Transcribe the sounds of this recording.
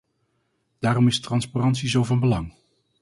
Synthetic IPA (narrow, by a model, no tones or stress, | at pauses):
d̥aːɾɔmɪstrɑnsparɑntsizowvɑnbəlɑŋ